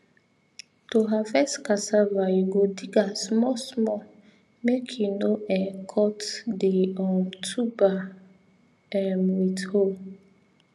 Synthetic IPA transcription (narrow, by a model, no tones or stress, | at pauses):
toɦafɛskasavajuɡodiɡasmɔsmɔ | mekʰjunoɛ̃kʰɔtdeɔ̃mtʰuba | ɛmwitho